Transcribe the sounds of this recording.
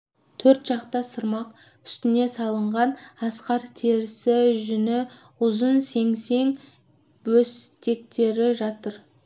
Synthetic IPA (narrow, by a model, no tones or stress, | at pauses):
t̪ʰɵɾt̪ʒ̥ɑqt̪ɑsəɾmɑq | ʏ̥st̪ɪne̞sɑlˠəɴʁɑnɑsqɑɾt̪ʰeɾɪsɪʒʏnɪ | ʊzənse̞ŋse̞ŋ | wɵst̪e̞k̚t̪e̞ɾɪʒɑt̪əɾ